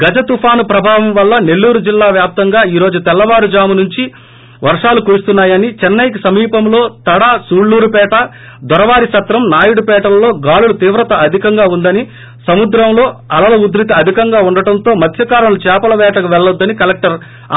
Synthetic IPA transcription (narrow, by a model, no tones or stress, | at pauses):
ɡɐd͡ʒɐt̪upʰaːnupɾɐbʱaːʋɐmʋɐlːɐne̞lːuːɾud͡ʒilːaːʋjaːp̚t̪ɐŋɡaːiːɾo̞ːd͡ʒut̪ɛlːɐʋaːɾud͡ʒaːmunuɲt͡ʃi | ʋɐɾʂaːlukuɾust̪unːaːjɐnit͡ʃɛnːɐjk̬isɐmiːpɐmloːt̪ɐɽaːsuːɽːuːɾupɛːʈɐ | d̪ɔɾɐʋaːɾiʃɐt̪ɾɐmnaːjuɽupɛːʈɐlɐlo̞ːɡaːlulut̪iːʋɾɐt̪ɐʔɐd̪ʱikɐŋɡaːund̪ɐni | sɐmud̪ɾɐmlo̞ːɐlɐlɐud̪ɾit̪iɐd̪ʱikɐŋɡaːuɳɖɐʈɐnt̪o̞ːmɐt̪ʰjɐkaːɾɐnlut͡ʃɛːpɐlɐʋɛːʈɐkuʋɛɭːɐd̪ːɐnikɐlek̚ʈɐɾ